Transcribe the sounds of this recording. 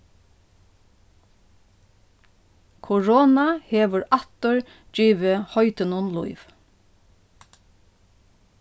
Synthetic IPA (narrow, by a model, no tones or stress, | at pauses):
kʰʊɹoːnɑheːʋəɹʔɑt̪əɹ | d̥̪ɹiːʋəhœʏt̪ənʊnlʊ̰ɪʋ